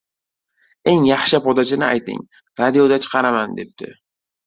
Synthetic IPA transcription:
e̞ŋjɑχʃɪpʰɒd̪at͡ʃɪnɪa̰jt̪ʰɪ̰ŋ | ɾad̪ijod̪at͡ʃʰɨ̥qʰɑɾamand̪e̞p̚t̪ʰɪ̰

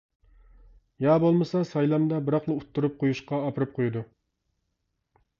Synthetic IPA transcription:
jɑːbolˠmɨsɑsɑjlˠɑmd̪ɑbɪɾɑχlˠɨut̪ʰːuɾup̚qʰojuʃqɑːpʰɨɾɨp̚qʰojud̪u

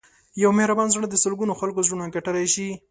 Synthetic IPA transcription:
jawmɪhɾabɑnzɳəd̪əsəlɡunoxalkozunaŋkaʈaɾajʃi

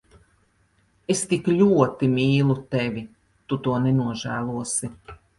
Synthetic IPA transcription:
est̪iklʲuɔt̪imiːlˠut̪ɛvʲi | t̪ut̪uɔnɛnuɔʒæːlˠuɔsi

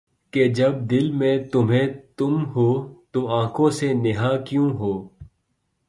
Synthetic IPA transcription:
ked͡ʒɐb̚d̪ɪlmẽt̪ʊmɦẽt̪ʊmɦoːt̪oãːkʰõːsenɪɦaːkjũːɦoː

